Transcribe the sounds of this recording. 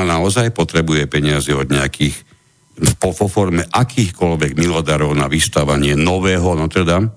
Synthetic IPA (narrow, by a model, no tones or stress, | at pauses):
anaɔzajpɔt̪ɾɛbujɛpɛɲɪaziɔd̪ɲɛakʰiːx | pɔfɔfɔɾmɛʔakʰiːxkɔʎʋɛɡmilɔd̪aɾɔʊnaʋist̪aʋaɲɪɛnɔʋɛːɦɔnɔt̪ɛd̪a